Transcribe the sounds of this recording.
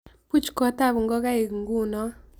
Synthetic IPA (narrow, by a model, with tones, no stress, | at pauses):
pu˦t͡ʃkɔ˨˦ta˦˨βu˨ŋɡɔ˦ka˦e˨ɡŋɡu˦nɔ˦